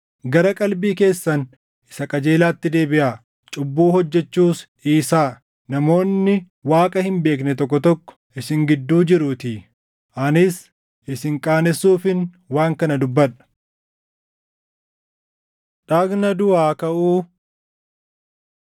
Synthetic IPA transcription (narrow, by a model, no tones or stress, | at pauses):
ɡɐɾɐkʼɐlbiːke̞ːsːɐn | ʔɪ̥sɐkʼɐd͡ʒe̞ːlaːt̪ːɪd̪e̞ːbɪʔaː | t͡ʃʼʊbːuːhɔd͡ʒːɛt͡ʃːuːs | iːsaː | nɐmo̞ːnːɪ | waːkʼɐhɪmbe̞ːknɛt̪ɔkːɔt̪ɔkːɔ̥ʔɪsɪŋɡɪd̪ːuːd͡ʒɪɾʊːt̪ɪ | ʔɐnɪs | ʔɪsɪŋkʼaːnɛsːuːfɪn | waːŋkɐnɐd̪ʊbːɐᶑɐ̥ | ᶑaːɡnɐd̪ʊaːkɐʔuː